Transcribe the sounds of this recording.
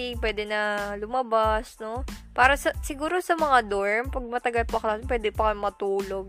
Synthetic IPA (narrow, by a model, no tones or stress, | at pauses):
ɪpwɛːd̪ɛnɐlʊmɐbasno̞paːɾɐsɐsɪɡuːɾo̞sɐmɐŋad̪oɹmpɐɡ̚mɐt̪ɐɡɐlpɐklaːsop̬wɛːd̪ɪpɐkɐjmɐt̪uːlo̞ɡ̚